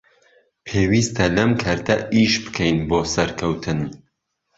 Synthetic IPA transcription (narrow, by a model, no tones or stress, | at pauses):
pʰeːwist̪ʰɐlɐmkʰɐɾt̪ʰɐʔiʃbɨ̥kʰɛjnboːsɐɾkʰɐwt̪ʰɨn